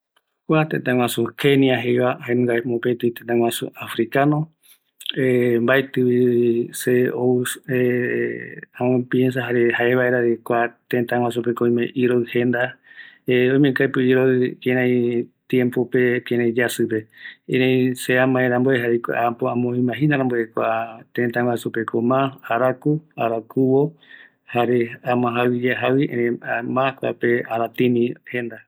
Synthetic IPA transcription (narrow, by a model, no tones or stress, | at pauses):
kʷat̪ẽt̪ãŋʷw̃ãsukʰeniaɦejβaaenũɡaemõpet̪ɨĩt̪ẽnt̪ãw̃ʷãsṵafɾikano | embaet̪ɨβiseoe | ãmõpjẽns̬aɦaɾehaeβaeɾaɾekʷat̪ẽnt̪aŋ̃ʷwãs̬up̬ekoĩmẽʔiɾoɨhẽnd̪aeõjmẽkajpɨiɾoɨkeɾãj̃t̪jempopekeɾãĩd͡ʒasɨpe̞ẽɾẽseamãẽɾãmboeɦaɾekʷa̰ʔapoãmõĩmãɦinaɾãmboekʷat̪ẽnt̪awasupekʰomãaɾakuaɾakuwo | haɾeamãɦawid͡ʒeɦawiẽɾẽamãkʷa̰peaɾat̪ĩmĩhend̪a